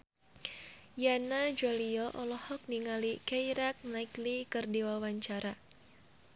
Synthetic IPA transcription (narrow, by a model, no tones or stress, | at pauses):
janad͡ʒaliɔʔɔlɔhɔk̚niŋalikɛjɾak̚naiklikɨrdiwawaɲt͡ʃaɾa